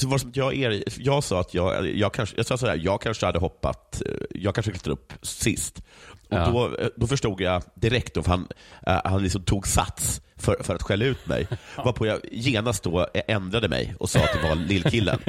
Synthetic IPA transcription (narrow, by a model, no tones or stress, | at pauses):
ɔvaɾs̬ɔmɪnt̪jɑːæɾjɑːɡsɑːat̪ʰjɑːɡ̰jɑːɡ̚kʰanʂjɑsɑːsaːæ̰ːɾjɑːɡ̚kʰanʂəhad̪ːəɦɔpːa̰t̪jɑːɡkʰanʂəklɪt̪ːad̪ɵpːsɪst̪ʔɔd̪ɔd̪ɔfœʂʈuːɡjad̪ɪɾɛkt̪d̪ɔfhanhanlɪksɔmt̪ʰuːɡsa̰t̪sfœɾfœɾat̪ɧɛlːaʉ̟ːt̪mɛ̰jvaɾpʰɔjajeːnast̪̚d̪ɔʔɛnd̪ɾad̪əmɛ̰jʔɔsɑ̰ːat̪̚d̪ɛvaɾlɪlːkʰɪlːə̰n